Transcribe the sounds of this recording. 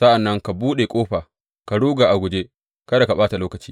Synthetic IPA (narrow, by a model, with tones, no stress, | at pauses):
sa˦ʔa˨nːɐ˦ŋka˨buː˦ɗe˨kʷʼoː˦ɸaː˨ | ka˨ɽuː˦ɡaː˨ʔa˨ɡʷʊ˨d͡ʒe˦ | kɐ˦da˨ka˨baː˦ta˨loː˦kɐ˨t͡ʃiː˦